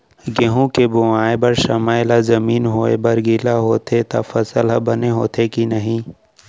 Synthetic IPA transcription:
ɡeɦũkeboaːebɐɾʃɐmaːjlazɐmiːnɦoːḛbɐɾɡɪlaɦoːt̪ʰet̪a̰fɐsəlabɐneɦoːt̪ʰekinɐɦĩː

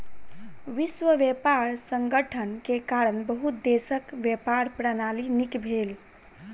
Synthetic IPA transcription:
ʋisʋəʋepaɾsəŋɡəʈʰənkekaɾənbəɦut̪̚d̪esəkʋjepaɾpɾənalinikbʱel

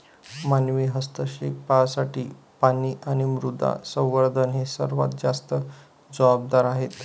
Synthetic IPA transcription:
manʋiːɦəst̪əɕḛkpasaʈiː | paniːʔaɽ̃imɾud̪ʱːa̰sə̃w̃ʋəɾd̪ʱənɦesəɾʋa̰t̪̚d͡zast̪ə | d͡zəʋab̚d̪aɾaɦet̪

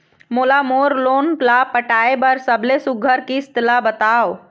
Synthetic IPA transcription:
moːlamoːɾloːnklaːpːəʈaːebəɾsəblesʊɡʱəɾkist̪ɪlabɐt̪aːo

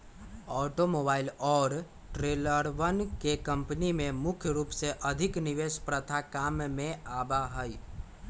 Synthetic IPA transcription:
ɔːʈomoːbaːɪlɔːɾ | ʈɾeːləɾʋənkekə̃mpnimẽmʊkʰjəɾuːpseʔəd̪ʱɪknɪʋeːʃpɾət̪ʰakaːmmẽaːbaɦəi

